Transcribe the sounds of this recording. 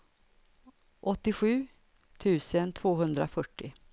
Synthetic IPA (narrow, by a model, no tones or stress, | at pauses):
ʔɔt̪ːɪɧʉ̟ː | t̪ʰʉ̟ːsənt̪ʰvoːɦɵnd̪ɾafœʈːɪ